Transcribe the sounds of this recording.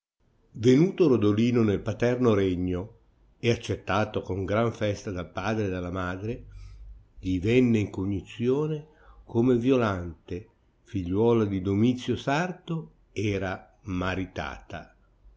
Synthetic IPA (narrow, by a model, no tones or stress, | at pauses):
venuːt̪oɾod̪oliːnonelpat̪ɛrnoɾɛɲːo | eat͡ʃːet̪ːaːt̪okoŋɡɾaɱfɛst̪ad̪alpaːd̪ɾed̪alːamaːd̪ɾe | ʎivɛnːeiŋkoɲːit̪sːjoːne | kʰomevjolant̪e | fiʎːwɔːlad̪id̪omit̪sːjosart̪o | ɛːɾa | maɾit̪a̰ːt̪a̰